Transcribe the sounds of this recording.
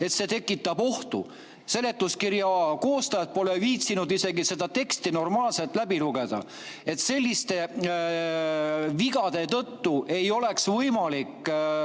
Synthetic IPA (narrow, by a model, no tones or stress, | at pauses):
e̞t̪se̞t̪e̞kːˑit̪ːˑɑbo̞ht̪ṵ | se̞le̞t̪ːˑuskiɾjɑko̞ːst̪ɑjɑt̪̚po̞leviːt̪sinud̪ise̞ɡise̞d̪̥ɑt̪e̞kst̪ino̞rmɑːlse̞lt̪ːˑlæbiluɡe̞d̪̥ɑ̰ | e̞t̪se̞lʲːist̪e̞ | viɡɑd̪̥e̞t̪ɤt̪ːuʔe̞jo̞le̞ksvɤjmɑlikː